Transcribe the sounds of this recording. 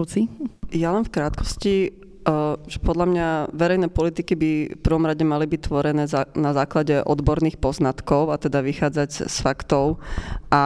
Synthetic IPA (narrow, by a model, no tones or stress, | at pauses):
t͡sijalɛnfkɾaːt̪kɔsci | ʒɛpɔd̪lamɲaʋɛɾɛjnɛːpɔlit̪ikibifpr̩ʋɔmɾaɟɛmalibic̚t̪ʋɔɾɛnɛːzanazaːklaɟɛʔɔ̰d̪bɔɾniːxpɔznat̪kɔʊat̪ɛd̪aʋixaːd͡zacsfakt̪ɔʊʔa